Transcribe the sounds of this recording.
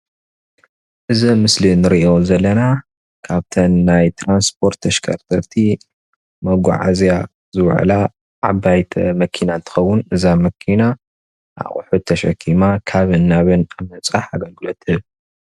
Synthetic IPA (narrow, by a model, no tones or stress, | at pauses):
ʔɨzɐmɨslinɨɾiʔo̞zɐlːɐna | kʰaβt̪ʰɐnːajt̪ʰɾanspʰo̞ɾt̪ʰːɐʃkʰɐ̰ɾt̪ʰɐɾt̪ʰi | mɐɡʷa̰ʕa̰zja | zɨβ̰ʕ̰la | ʕabajt̪ʰɐ̰mɐkʰinant̪ʰɨ̥xɐwːunɨzamɐkʰina | ʔa̰χʼʊ̰ħut̪ʰːɐʃɐ̰kʰːimakʰaβɨnːaβɨnamɐt͡sʼaħaɡɐlɡɨlot̪ɨβ